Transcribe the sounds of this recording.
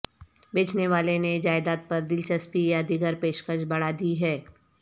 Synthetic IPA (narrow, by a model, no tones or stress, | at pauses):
beːt͡ʃneʋaːlened͡ʒaːɪd̪aːt̪̚pɐɾd̪ɪlt͡ʃəspijad̪ɪɡəɾpeːʃkət͡ʃbɐɽ̤aːd̪iɦɛː